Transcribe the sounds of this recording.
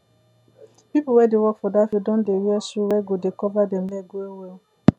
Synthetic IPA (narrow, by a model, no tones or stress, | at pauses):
pipuwɛdewɔkfɔdafodɔ̃ndeɾɛsuwɛɡodekɔvadɛmlɛɡoewɛl